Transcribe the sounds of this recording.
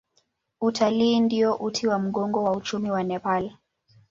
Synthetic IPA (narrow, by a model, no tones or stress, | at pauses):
utʰaliːndiɔʔutʰiwam̩ɠɔŋɡɔwaut͡ʃumiwanɛpal